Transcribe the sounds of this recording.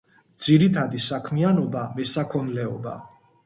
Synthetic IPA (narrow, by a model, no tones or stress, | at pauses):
d̪z̥iɾit̪ʰad̪isakʰmianɔbamɛsakʰɔnlɛɔba̰